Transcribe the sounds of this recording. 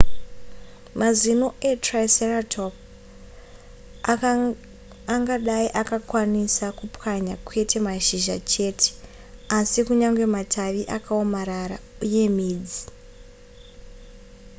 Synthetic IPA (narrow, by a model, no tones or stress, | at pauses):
mazino̞ʔetraiseratʰop̚ | aŋɡaɗaiʔakakwanisakupwaɲakwe̞tʰe̞maʃiʒa̰t͡ʃe̞ːtʰe̥ | asikuɲaŋɡwe̞matʰaʋiʔakaomaɾaɾauje̞miːd͡zi